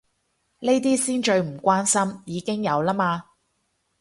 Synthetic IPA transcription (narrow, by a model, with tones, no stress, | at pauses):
ne˥jt̪̬iː˥siː˥nt͡ʃɵ˧ɥm̩˨˩kʷaː˥nsɐ˥mjiː˨˧kɪ˥ŋjɐ˨˧wlaː˥maː˧